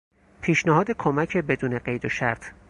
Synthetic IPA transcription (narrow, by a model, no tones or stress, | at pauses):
pʰiːʃnæɦɒːd̪e̞kʰomæcʰe̞be̞d̪uːne̞ɢejd̪oʃæ̰ɾt̪ʰ